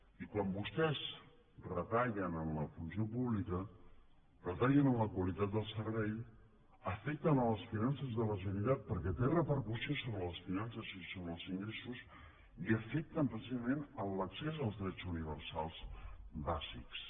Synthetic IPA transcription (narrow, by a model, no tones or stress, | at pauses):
ikwambust̪ɛz | rət̪aʎənənləfunsiopuβlikə | rrət̪aʎənənləkwəlit̪at̪̚d̪əlˠsəɾβɛj | əfɛk̚t̪ənələsfinansəzðələʒənit̪at̪̚pəɾkɛt̪erəpəɾkusiosoβɾələsfinansəzisoβɾəlˠziŋɡɾesus | iəfɛk̚t̪əmpɾəsizəmẽnəlləksezəlˠzðɾɛt͡suniβəɾsalˠsbaziks